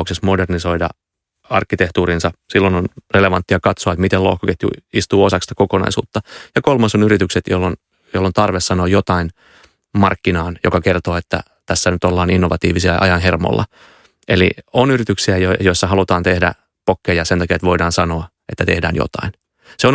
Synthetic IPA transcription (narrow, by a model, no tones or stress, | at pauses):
oksesmoderniso̞idɑ̰ | ɑ̰rkːit̪eht̪uːɾinsɑsilːononreleʋɑnt̪ːiɑkɑt̪soɑet̪mit̪elo̰ːhkɑkeht̪ṵist̪uːosɑkst̪ɑ̥kokonɑ̰isṵːt̪ːɑjɑkolmɑsonyɾit̪ykset̪jo̰lːon | jolːont̪ɑrʋessɑnoːjot̪ɑin | mɑ̰rkːinɑːnjo̰kɑkert̪oːet̪ːæ̰ | t̪æsːænyt̪olːɑːninːoʋɑt̪iːʋisiɑʔɑ̰jɑnɦermo̰lːʔɑ̰ | ʔelḭonyrit̪yksiæjjoisːɑɦɑlut̪ɑːnt̪ehdæ̰ | pokːejɑsent̪ɑkiɑet̪ʋo̞idɑːnsɑno̞ɑ | et̪ːæt̪ehdæ̰ːnjo̰t̪ɑ̰in | seon